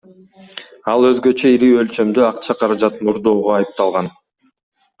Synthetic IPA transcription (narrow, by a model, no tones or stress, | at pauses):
ɑlˠø̞zɡø̞t͡ʃøiɾiø̞lt͡ʃø̞md̪øɑqt͡ʃʰɑqʰɑɾɑd͡ʒɑt̪nuɾd̪o̞ːʁoɑjɯp̚t̪ɑlˠʁɑn